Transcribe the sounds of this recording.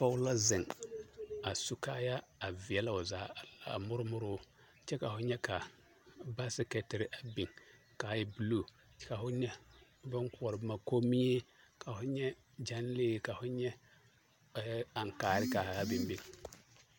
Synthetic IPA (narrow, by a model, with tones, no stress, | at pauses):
fa˦ʊ˦la˦zɪ˨ŋ | a˨su˦ka˦ja˦a˨vɪ˨ɛ˨la˦ʊ˨zaː˨˦˨la˨mʊ˦ɾʊ˦mʊ˦ɾʊ˦ | t͡ʃɛ˦ka˨fʊ˦ɲɛ˦ka˨ | ba˦sɪ˦kɛ˦tɪ˨ɾɪ˦ʔa˨bi˨ŋ | ka˨jɪ˦bu˨luː˦˨˦ | ka˨fʊ˦ɲɛ˦ | bʊ˦ŋkʊ˦˨ɔ˨ɾɪ˨bma˨ko˦mi˦e˦ | kʰa˨fʊ˦ɲɛ˦ | d͡ʒa˦n˦leː˦˨ka˨fʊ˦ɲɛ˦ | a˨ŋkaː˨ɾɪ˦ka˨a˦bɪ˨mbi˨ŋ